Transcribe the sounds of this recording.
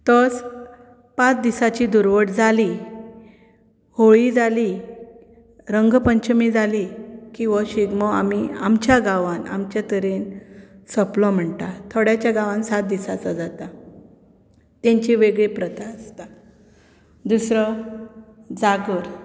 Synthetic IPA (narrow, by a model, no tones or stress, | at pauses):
t̪ət͡s | pãt͡sd̪isat͡ɕid̪uɾʋəʈd͡zʱali | hoɭiːd͡zali | ɾəŋɡpəɲt͡ɕəmiːd͡zalikĩw̃ʋaɕiɡmɔa̰mia̰mt͡ɕjaɡaʋana̰mt͡ɕjat̪əɾensəplɔm̤əɳʈat̪ʰoɽjat͡ɕjaɡaʋãnsat̪̚d̪isat͡sad͡zat̪a | t̪ẽɲt͡ɕiʋeɡɭepɾət̪aəst̪a | d̪usɾə | d͡zaɡəɾ